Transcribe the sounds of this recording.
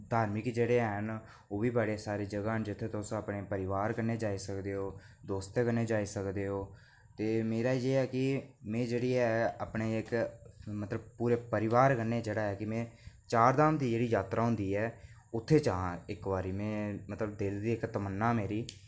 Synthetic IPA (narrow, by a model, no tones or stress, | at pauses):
d̪ʱaːɾmɪkd͡ʒeːɽeːɦən | oːbiːbaːɽesaːɾeːd͡ʒəɡaːd͡ʒɪt̪ʰːeːt̪õsapneːpəɾɪʋaːɾkəɾneːd͡ʒaːiːsəkd̪eːɦoː | d̪oːst̪eːkəneːd͡ʒaːiːsəkd̪eːɦoː | t̪eːmeːɾaːid͡ʒeːɛːkɪmɛ̃ːd͡ʒeːɽeːɛːaːpɳeːɪkmət̪ləb̚puːɾeːpəɾɪʋaːɾkəɾneːd͡ʒeːɽaːɦɛːkɪmɛ̃ː | t͡ʃaːɾd̪aːmd̪iːd͡ʒeːɽiːjaːt̪ɾʔaːɦʊ̃nd̪iːɛː | ʊt̪ʰːeːt͡ʃaãɪkʋaːɾiːmẽːmət̪ləbd̪ɪld̪iːɪkt̪əmənːaːmeːɾiː